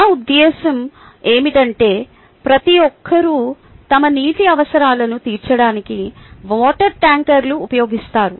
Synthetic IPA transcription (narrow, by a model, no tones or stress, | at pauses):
ud̪ːɛːsɐm | e̞ːmiʈɐɳʈe̞ː | pɾɐt̪ijɔkʰːɐɾuː | t̪ɐmɐniːʈiɐʋɐsɐɾaːlɐnut̪iːɾt͡ʃɐɽaːnikiʋɔːʈɐɾʈaːŋkɐɾluːpɐjo̞ːɡist̪aːɾu